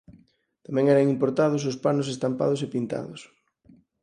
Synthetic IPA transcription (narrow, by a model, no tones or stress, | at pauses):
t̪amɛ̃ŋɛɾɐŋimpoɾt̪aðʊs̬ʊspanʊsest̪ampa̰ð̞ʊsepint̪a̰ðʊs